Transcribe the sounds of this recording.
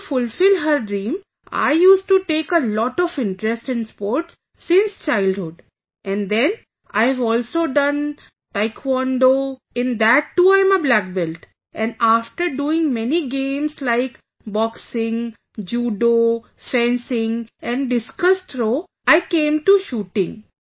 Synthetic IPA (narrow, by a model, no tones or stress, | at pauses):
fʊlfɪlɦəɾɖɾĩːm | a̰ɪjuːsʈuʈeːkəlɔʈɔʋɪ̃ɳʈɾɛsʈɛ̃nɖspɔːɾʈsː | ɪ̃nst͡ʃaɪlɖhʊɖ | ʔɛ̃nd̪ɛ̃n | aɪɛʋɔːlsoːɖʌ̃n | taɪkʰwɔ̃nɖo | ɪ̃nd̪æʈːuːaɪ̃məblæk̚bɛlʈ | ɛ̃naːfʈəɾɖuːɪ̃ŋmɛniɡẽːmslaɪk | bɔksɪ̃ŋ | d͡ʒuːɖo | fɛ̃nsɪ̃ŋɛ̃ɳɖɪskʌst̪ʰɾoː | aɪkẽːmʈuʃuːʈɪ̃ŋ